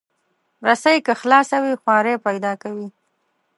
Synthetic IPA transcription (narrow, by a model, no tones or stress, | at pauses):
ɾasajkəxlɑsawixwɑɾepajd̪ɑkawi